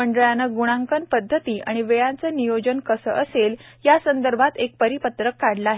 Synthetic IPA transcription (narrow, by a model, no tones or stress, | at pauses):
əɳɖəɭjanəɡuɽ̃ãŋkənpəd̪ʱːət̪iːʔa̰ɽ̃iʋeɭãnt͡sənijod͡ʑənkəsə̰ːʔəseljasənd̪əɾbʱat̪ek̚pəɾipət̪ɾəkːaɽləaːɦe